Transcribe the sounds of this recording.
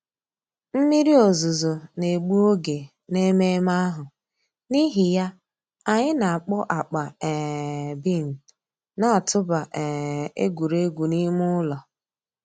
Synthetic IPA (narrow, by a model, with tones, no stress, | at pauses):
m̩˦mi˦ɾi˦o˨zʊ˨zo˨ne˨ɡ͡bu˦o˦ɡe˨ | ne˦me˦ma˦ɦʊ˨ | ni˦ɦi˨ja˦ | a˨ɲɪ˦na˨a˨k͡pʊ˦ʔa˨k͡pa˨ɛ˨bi˦˨n̩˨ | na˦a˨tʰʊ˦ba˨ʔɛ˨ḛ˦ɡʷu˨ɾe˦ɡʷu˨ni˦m˦ʊ˦lɔ˨